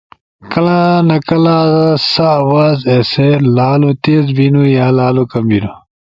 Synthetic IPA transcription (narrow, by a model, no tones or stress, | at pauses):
kɐlãnɐkɐlaːzasawaːzeseɾlaːlut̪eːzbinujaːlaːlukɐmbinu